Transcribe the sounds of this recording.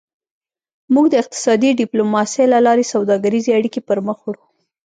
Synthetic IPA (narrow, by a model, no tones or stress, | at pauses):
muɡd̪əɪq̚t̪ɪ̥sɑd̪iɖɪplomɑselalɑɾesawd̪ɑɡaɾizeaɽikepəɾməxwaɽu